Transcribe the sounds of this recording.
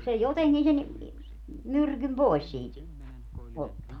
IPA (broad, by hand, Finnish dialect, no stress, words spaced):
se joteŋkin sen myrkym poi̯s siːt otːɑː